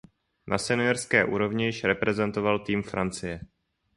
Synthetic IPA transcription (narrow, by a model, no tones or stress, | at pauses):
nʔa̰sɛnɪjoɾskɛːʔuːɾo̞vɲɪjɪʃɾɛpɾɛzɛnt̪o̞valt̪iːmfɾant͡sɪjɛ